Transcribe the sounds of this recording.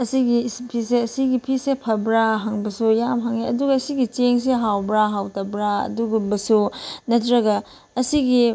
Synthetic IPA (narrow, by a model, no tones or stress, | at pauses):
ɐsiɡispʰiseɐsiɡipʰisepʰɐbɾaɦaŋbɐsujamɦaŋeɐduɡɐːsiɡit͡ʃeŋs̬eɦawbɾaɦawtɐbɾaɐ̰duɡubɐsunɐtɾɐɡɐ | ɐsiɡi